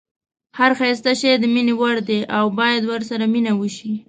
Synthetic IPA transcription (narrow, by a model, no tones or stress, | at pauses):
haɾxɑjs̬t̪aʃed̪əminewaɽd̪eʔawbɑjad̪wəɾsaɾaminawəʃi